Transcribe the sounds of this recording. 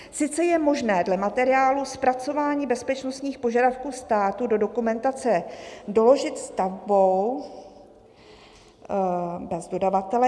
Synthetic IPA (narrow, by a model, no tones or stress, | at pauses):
sɪt͡sɛjɛmo̞ʒnɛːdlɛmat̪ɛɾɪaːluspɾat͡so̞vaːɲiːbɛspɛt͡ʃno̞st̪ɲiːxpo̞ʒadafkuːst̪aːt̪udo̞do̞kumɛnt̪at͡sɛdo̞lo̞ʒɪt̪st̪avbo̞w | bɛzdo̞davat̪ɛlɛ